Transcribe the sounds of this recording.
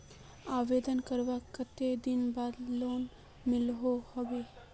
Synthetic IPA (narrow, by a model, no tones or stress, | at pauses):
aːʋeːd̪ənkəɾʋakət̪ed̪ɪnbaːd̪loːn | mɪlɦohɐʋe